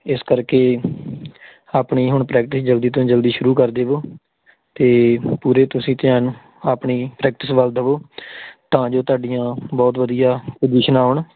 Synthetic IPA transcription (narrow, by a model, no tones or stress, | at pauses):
ɪskəɾkeː | aːpɳiːɦʊɳpɾɛːk̚ʈɪsd͡ʒəld̪iːt̪õːd͡ʒəld̪iːʃʊɾuːkəɾd̪eːʋoː | t̪eːpuːɾeːt̪ʊsĩːt̪ɪaːñː | aːpɳiːpɾɛːk̚ʈɪsʋəld̪əʋoːt̪ãːd͡ʒoːt̪aːɖijãːbɔːt̪ʋəd̪ijaːpəd͡ʒiːʃənaːʊɳ